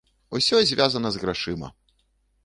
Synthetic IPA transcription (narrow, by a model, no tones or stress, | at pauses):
usʲɔzʲvʲazɐnɐzɣɾaʂɨmɐ̰